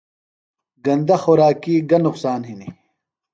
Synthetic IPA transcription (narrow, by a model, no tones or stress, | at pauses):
ɡɐnd̪ɐxoɾaːkiːɡɐnːʊqsaːnɦini